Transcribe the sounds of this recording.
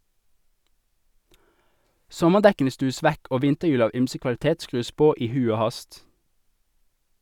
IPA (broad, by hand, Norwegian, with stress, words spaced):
ˈsɔməʁˌdɛkn̩ə ˈstʉːəs ˈʋɛk ˈoː ˈʋɪntəˌjʉːl ˈɑːʋ ˈyːmsə kʋɑl̩ˈteːt ˈskʁʉːs ˈpoː ˈiː ˈhʉ ˈoː ˈhɑst